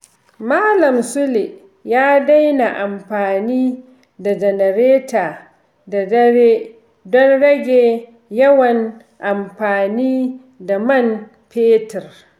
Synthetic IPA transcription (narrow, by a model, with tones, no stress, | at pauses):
maː˦lɐ˨msʊ˦le˨ | jaː˦da˦jna˨ʔa˨mɸaː˨niː˦ | da˨d͡ʒɛ˨nɐ˨ɾeː˦taː˨ | da˨dɐ˦ɾe˦ | dɔ˦nɽɐ˦ɡʲeː˨ | jɐ˦wɐ˨n | ʔa˨mɸaː˨niː˦ | da˨mɐ˦˨n | peː˦tɛ˨r